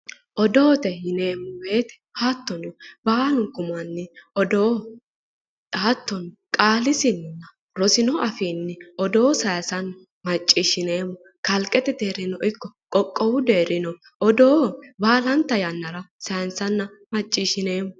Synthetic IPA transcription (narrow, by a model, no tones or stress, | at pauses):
ʔɔd̪o̞ːt̪ɛhɪne̞ːmːɔbe̞ːt̪ɛ̥hat̪ːɔnɔbaːlʊkʼːʊmɐnːɪɔd̪oː | aːt̪ːɔn | kʼaːlɪsɪnnːɐ | ɾɔsɪnɔʔɐfiːnːɪʔɔd̪o̞ːsɐjɐsɐnɐ | mɐt͡ʃʼːiʃɪne̞ːmːʊ | kɐlkʼɛt̪ɛd̪eːɾɪnɔʔɪkːɔkʼɔkʼːɔwʊd̪e̞ːɾɪnɔ | ʔɔd̪oːbaːlɐnt̪ːɐjɐnːɐɾɐsɐjnsɐnːɐ | mɐt͡ʃʼːiːʃɪne̞ːmːʊ